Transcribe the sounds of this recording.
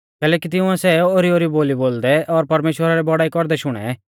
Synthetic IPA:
kɛːlɛːkit̪̬ɪʊ̃ɛ̃sɛoːɾioːɾiboːliboːld̪ɛʔɔɾpɐɾmeːʃwəɾaɾɛbɔɽaːikɔɾd̪ɛʃʊɽ̃ɛ̰

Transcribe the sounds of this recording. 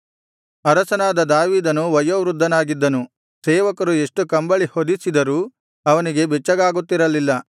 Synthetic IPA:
ɐɾɐsɐnaːd̪ɐd̪aːʋiːd̪ɐnuʋɐjoʋɾud̪ʱːɐnaːɡid̪ːɐnu | seːʋɐkɐɾue̞ʂʈukɐmbɐɭihod̪isid̪ɐɾuː | ɐʋɐniɡe̞bɛt͡ʃːɐɡaːɡut̪ːiɾɐlilːɐ

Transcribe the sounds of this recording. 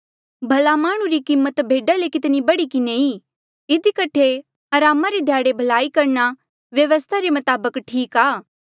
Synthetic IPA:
bʱɐlamaːɽ̃ũɾikimːət̪bʱeːɖalekɪt̪nibɐɽikɪnei | ɪd̪ikɐʈʰe | ɐɾaːmaɾed̪ʱjaːɽebʱɐlaːikɐɾna | ʋjɐʋəst̪ʰaɾemɐt̪aːbəkʈʰiːkaː

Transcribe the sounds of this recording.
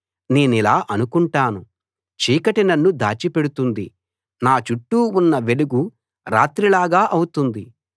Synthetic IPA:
ne̞ːnilaːʔɐnukuɳʈaːnu | t͡ʃiːkɐʈinɐnːud̪a̰ːt͡ʃipe̞ɽut̪und̪i | naːt͡ʃuʈːuːnːɐʋeɽuɡu | ɾa̰ːt̪ɾilaːɡaːʔɐwut̪und̪i

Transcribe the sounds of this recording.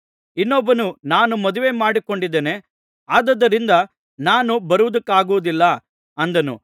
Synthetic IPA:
inːɔbːɐnunaːnumɐd̪uʋe̞ːmaːɽiko̞ɳɖid̪ːeːne̞ | aːd̪ɐd̪ːɐɾind̪ɐ | naːnubɐɾuʋud̪ɐkːaːɡuʋud̪ilːɐ | ɐnd̪ɐnṵ

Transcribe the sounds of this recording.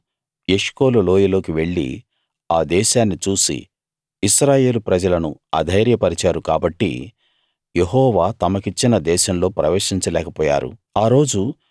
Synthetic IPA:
e̞ʂko̞ːlulo̞ːjɐlo̞ːkiʋe̞ɭːḭ | aːd̪ɛːʃaːnːit͡ʃuːsḭ | iʃɾaːje̞ːlupɾɐd͡ʒɐlɐnuɐ̰d̪ʱɐjɾjɐpɐɾit͡ʃaːɾukaːbɐʈːḭ | je̞ɦɔːʋaːt̪ɐmɐkit͡ʃːinɐd̪ɛːʃɐmlo̞ːpɾɐʋeːʂiɲt͡ʃɐlɛːkɐpɔːja̰ːɾṵaːɾo̞ːd͡ʒu

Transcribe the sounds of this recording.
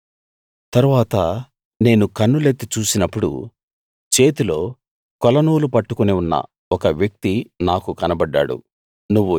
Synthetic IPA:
t̪ɐɾuʋaːt̪ɐ | ne̞ːnukɐnːulet̪ːit͡ʃuːsinɐpːuɽṵ | t͡ʃe̞ːt̪ilo̞ː | kɔlɐnuːlupɐʈːukuniunːɐ̰ | ɔkɐʋjɐk̚t̪inaːkukɐnɐbɐɖːa̰ːɽṵ | nuʋːu

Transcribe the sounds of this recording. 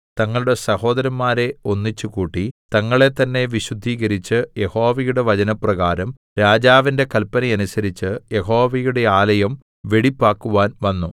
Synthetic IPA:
t̪ɐŋːɐɭuɽe̞sɐho̞ːd̪ɐɾɐmːaːɾe̞o̞nːit͡ɕːukuːʈːit̪ɐŋːɐɭe̞t̪ɐnːe̞ʋiɕud̪ʱːiːɣɐɾit͡ɕːɨje̞ho̞ːʋɐjuɽe̞ʋɐd͡ʑɐnɐprɐɣaːɾɐm | ɾaːd͡ʑaːʋinde̞kɐlpːɐnɐjɐnusɐɾit͡ɕːɨje̞ɦo̞ːʋɐjuɽe̞aːlɐjɐm | ʋeɽipːaːkːuʋaːnʋɐnːu

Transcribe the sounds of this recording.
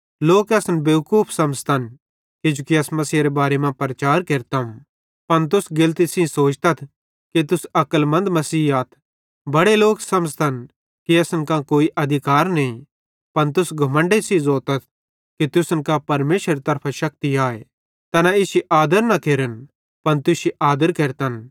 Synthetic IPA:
loːkɛsnbjɐʋkuːpʰsɐ̃mst̪ʰɐn | kid͡ʒukiɐsmɐsiɾebaːɾemãpɾɐt͡ʃaːɾkeːɾt̪am | pɐnt̪̬ʊsɡɪlt̪isĩsoːt͡ʃt̪ɐt̪ʰ | kit̪ʊsɐkəlmɐ̃nd̪mɐsiːaːt̪ʰ | bɐɽeloːksɐmst̪ʰɐn | kiɐsnkãkoːiʔɐd̪ʱɪkaːɾnɐĩ | pɐnt̪̬ʊsɡʱɐmə̃ɳɖesĩzoːt̪ɐt̪̚ʰ | kit̪ʊsənkapɐɾmeːʃeɾit̪ɐɾpʰaʃɐk̚t̪iaːe | t̪ɐnaɪsiʔaːd̪əɾnɐkʰeːɾən | pɐnt̪ʊsiʔaːd̪əɾkeːɾt̪ɐn

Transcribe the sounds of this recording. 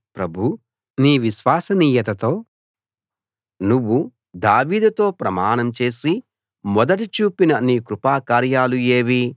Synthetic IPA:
pɾɐbʱu | niːʋiʃʋaːsɐniːjɐt̪ɐt̪o̞ː | nuʋːu | d̪aːʋiːd̪ɐt̪o̞ːpɾɐmaːnɐmt͡ʃe̞ːsi | mɔd̪ɐʈit͡ʃuːpinɐniːkɾupaːkaːɾjaːlue̞ːʋi

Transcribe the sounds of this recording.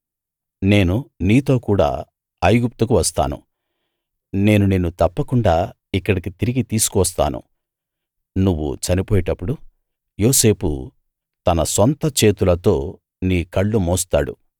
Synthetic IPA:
ne̞ːnuniːt̪o̞ːkuːɽa̰ː | ɐjɡup̚t̪ukuʋɐst̪a̰ːnṵ | ne̞ːnune̞ːnut̪ɐpːɐkuɳɖaː | ikːɐɽikit̪iɾiɡit̪iːsu̥kʋɐst̪a̰ːnṵ | nuʋːṵt͡ʃɐnipoːjiʈɐpːuɽu | jo̞ːse̞ːpṵ | t̪ɐnɐsɔnt̪ɐt͡ʃe̞ːt̪ulɐt̪o̞ː | niːkɐɭːumɔːst̪a̰ːɽṵ

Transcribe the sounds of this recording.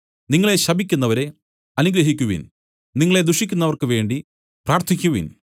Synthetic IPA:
niŋːɐɭe̞ɕɐbikʲːunːɐʋɐɾe̞ | ɐnuɡɾɐɦikʲːuʋḭn | niŋːɐɭe̞d̪uʂikʲːunːɐʋɐrkɨʋe̞ːɳɖi | praːrt̪ʰikʲːuʋḭn

